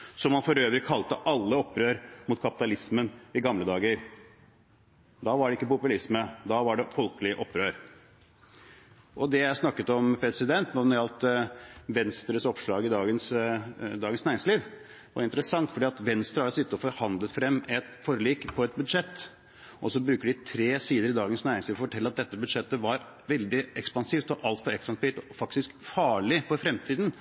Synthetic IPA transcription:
sɔmhɑnfɔɾøːʋɾɪkʰːɑlt̪əʔɑlːəɔpːɾøːɾmʊt̪̚kʰɑpɪ̥t̪ɑlɪsmənɪɡɑmləd̪ɑːɡəɾ | d̪ɑʋɑɖɛɪkːəpʊpʉlɪsməd̪ɑʋɑɖɛfɔlkəlɪʔɔpːɾøːɾ | ʔɔd̪ɛjæsnɑkːət̪ɔmpʰɾɛsɪd̪ɛnt̪numnɔɾɑlt̪ʋɛnst̪ɾəsɔpʂɭɑːɡɪd̪ɑːɡənsd̪ɑːɡənsnæːɾɪŋsliːʋ | ʋɑ̰ɾɪnt̪əɾəsɑŋt̪fɔɖiːɑt̪ʋɛnst̪ɾəhɑsɪt̪ːəɔfɔɾhɑnd̪lət̪fɾɛmːɛt̪fɔɾliːkpʰɔɛt̪̚bʉd̪ʂɛt̪ː | ʔɔsɔbɾʉːkəɖɪt̪ʰɾeːsiːd̪əɾɪd̪ɑːɡənsnæːɾɪŋsliːʋɔfɔʈʰɛlːəɾɑt̪̚d̪ɛt̪ːəbʉd̪ʂɛt̪ːəʋɑɾ | ʋɛld̪ɪɛkspɑnsiːft̪ɔʔɑlt̪fɔɾɛkspɑnsfit̪ɔfɑkt̪ɪskfɑːɭɪfɔɾfɾɛmt̪ʰiːd̪n̩

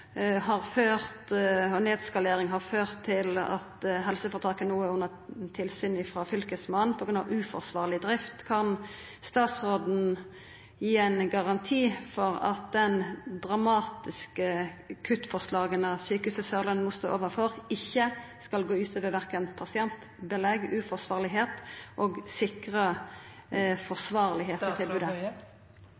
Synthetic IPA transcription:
hɑʁføːʁt̪ɔneːd̪skɑleːʁɪŋɦɑʁføːʁt̪ʰːɪlɑ̰t̪ɦɛlsəfɔʁt̪ʰɑːkənuːəʊnːə | t̪ʰɪlsyːnɪfɾɑfʏlkəsmɑnpʰɔɡɾʉnɑ̰ʋʉːfɔʁsʋɑːʁlɪd̪ʁɪft̪kʰɑn | st̪ɑːt̪sʁoːd̪n̩ | jiːæɪnɡɑʁɑnt̪ʰiːfɔʁɑ̰t̪̚d̪ɛnd̪ʁɑmɑːt̪ɪskəkʰʉt̪ːfɔʁslɑːɡənɑsyːkəʉsəsœʁlənmʊːst̪o̰ːʔoːʋəfɔɾɪçːəskɑlɡoːʉːt̪ʰøːʋəʋæʁkənpʰɑsɪɛnt̪ | bəlɛɡʉːfɔsʋɑːʁlɪɦeːt̪ʔoːɡsɪkʁə | fɔʁsʋɑːʁlɪɦeːt̪ɔt̪ʰɪlbʉːd̪ə

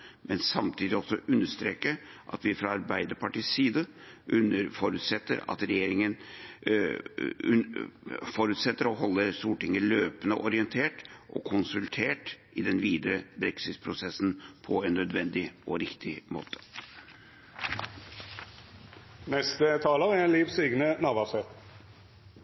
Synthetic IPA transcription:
mɛnsɑmt̪ʰiːd̪ɪɔsɔʔʉnːəʂt̪ɾeːkəʔɑ̰t̪ʋɪæfɾɑɑɾbæɪd̪əɾpɑʈiːssiːd̪əʔʉnəɾfɔɾʉt̪sɛt̪ːə̰ɾɑ̰t̪ɾɛjeːɾɪŋən | fɔɾʉt̪sɛt̪ːəɾɔɦɔlːəɾst̪uːʈɪŋːəɭøːpənəʔɔɾɪɛnt̪ʰeːʈʔɔ̰kʰʊnsʉlt̪ʰeːʈʔɪd̪ɛnʋiːd̪əɾəbɾɛksɪt̪pʰɾʊsɛsn̩pʰɔɛnːœd̪ʋɛnd̪ɪɔɾɪkt̪ʰɪmo̰ːt̪ʰə̥ | nɛst̪ət̪ʰɑːlɑɛliːʋsyːɡnənɑʋɑsɛt̪

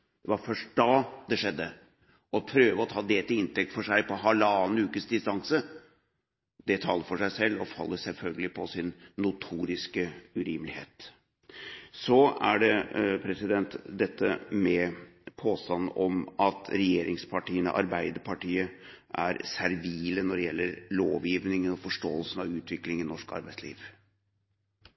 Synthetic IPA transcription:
d̪ɛʋɑɾfœʂʈ̚d̪ɑːd̪ɛʂɛd̪ːə | ɔpʰɾøːʋəɔt̪ʰɑːd̪eːlt̪əɪnt̪ʰɛk̚t̪fɔʂæɪpɔɦɑlɑnʉːkəsd̪ɪst̪ɑŋsə | d̪ɛt̪ʰɑːlːəɾfɔʂæɪsɛlːɔfɑ̰lːəsɛlfœlɡəlɪpʰɔsɪnːʊt̪ʰuːɾɪskəʉɾiːmlɪheːt̪ | sɔæɖɛpʰɾɛsɪd̪ɛnt̪d̪ɛt̪ːəmɛpʰoːst̪ɑnːɔmɑt̪ʰɾɛjeːɾɪŋspʰɑʈiːənə̰ʔɑ̰ɾbæɪd̪əɾpʰɑʈiːə | ʔæɾsæɾʋiːlənɔɖɛjɛlːəɾlo̰ːʋjiːʋnɪŋənɔfɔʂʈoːəlsən̩ɑʋʉːt̪ʰʋɪklɪŋɪnɔʂkɑ̰ɾbæɪslḭːʋ

